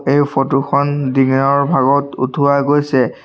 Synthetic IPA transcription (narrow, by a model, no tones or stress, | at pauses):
ejpotuxɔndiŋnɔɹbʱaɡɔtṵtʰuaɡojsɛ